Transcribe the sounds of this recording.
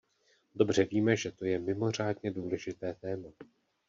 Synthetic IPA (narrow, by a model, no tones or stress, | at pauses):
do̞br̝̥ɛviːmɛʒɛt̪o̞jɛmɪmo̞r̝aːdɲɛduːlɛʒɪt̪ɛːt̪ɛːma